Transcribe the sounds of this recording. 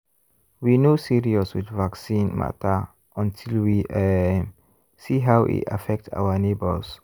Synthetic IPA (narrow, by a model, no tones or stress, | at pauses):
winosiɹiɔswḭdvaksĩnma̰tə | ʔɔ̃ntʰilwi | siɦawʔḭta̰fɛk̚ta̰wənebə̰s